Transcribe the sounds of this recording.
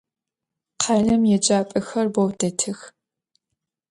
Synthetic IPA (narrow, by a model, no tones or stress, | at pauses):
qʰɑɮɐmjɛd͡ʒʼaːpʼɨxɐrbɔwdɐtʰɨx